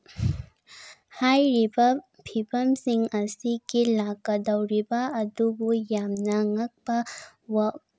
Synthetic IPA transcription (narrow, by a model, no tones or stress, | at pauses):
hajɾibɐ | pʰibʰɐmsiŋɐsiɡilakːɐdawɾibɐɐdubujamnɐŋɐk̚bɐ | wa